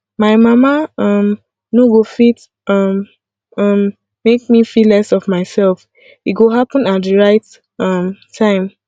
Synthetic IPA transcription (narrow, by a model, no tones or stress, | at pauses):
maɪmamaʌ̃m | noɡofit | ʌm | ʌmː | ek̚mifilɛsɔvmaɪsɛlf | iɡoɦapə̃natðəɹaɪt | ʌ̃mtʰãɪ̃m